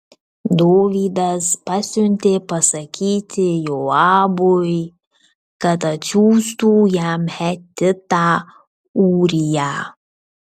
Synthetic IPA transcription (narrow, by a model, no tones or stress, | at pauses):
d̪oːʋid̪ɐzpɐsʲunʲt̪epɐsɐkʰiːt̪ʲʰɪjoaːbʊj | kɐt̪ɐt͡ʃuːst̪ujaːmhɛt̪ʲːɪt̪aː | uːɾijaː